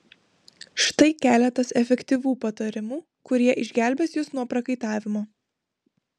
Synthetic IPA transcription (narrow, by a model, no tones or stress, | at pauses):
ʃt̪ɐɪkʲæːlʲɛt̪ɐsɛfʲɛkʲt̪ʲiʋuːpɐt̪ɐɾʲɪmuː | kʊɾʲiɛʔɪʒʲɡʲæˑlʲbʲɛsjʊsnuɔpɾɐkɐɪt̪ɑːʋʲɪmoː